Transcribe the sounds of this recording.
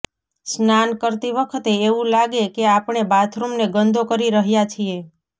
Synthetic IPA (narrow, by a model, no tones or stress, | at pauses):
snankəɾt̪iʋəkʰət̪eːʋũlaɡekeapɳebat̪ʰɾumneɡənd̪okəɾiɾəɦjat͡ʃʰie